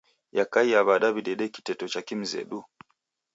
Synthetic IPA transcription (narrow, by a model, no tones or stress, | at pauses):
jakaiaβaɗaβiɗɛɗɛki̥tɛtɔt͡ʃakim̩zɛ̰ɗu